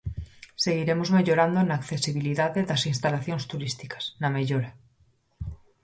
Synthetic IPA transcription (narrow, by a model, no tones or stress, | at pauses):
se̞ɣiɾe̞mozme̞ʎo̞ɾand̪onaːkθesiβ̞iliðaðeðasinst̪alaθjo̞nst̪uɾist̪ikḁsname̞ʎoɾa